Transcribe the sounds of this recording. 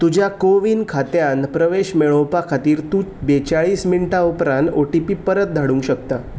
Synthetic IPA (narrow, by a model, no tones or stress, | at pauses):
t̪ud͡ʑʱjakoʋiːnkʰat̪janpɾəʋeɕmeɭõwpakʰat̪iːɾt̪uːt͡sbet͡ɕaɭiːsminiʈaupɾãnt̪oʈipiːpəɾət̪̚d̪ʱaɽũŋkɕək̚t̪a